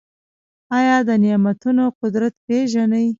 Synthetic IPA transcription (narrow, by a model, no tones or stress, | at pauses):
ɑjɑd̪ənɪjɑmat̪unoqʊd̪ɾat̪̚peʒanəj